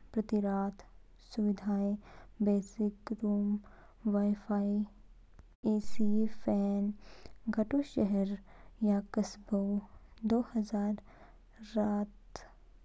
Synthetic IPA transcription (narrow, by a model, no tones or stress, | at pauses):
pɾɐt̪iɾaːt̪ʰ | suʋɪd̪ʱaːebeːsɪkɾuːm | ʋaːifʰaːi | iːsifʰɛːnɡʱɐʈuʃɛɦɛɾjaːkɐsbəwd̪oːhɐzaːɾː | aːt̪